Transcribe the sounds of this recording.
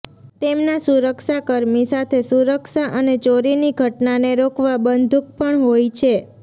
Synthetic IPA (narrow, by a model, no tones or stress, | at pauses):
t̪emnasuɾəkʃakəɾmisat̪ʰesuɾəkʃaʔənet͡ʃoɾiniɡʱəʈnaneɾokʰʋabənd̪ʱuk̚pəɳɦojt͡ʃʰe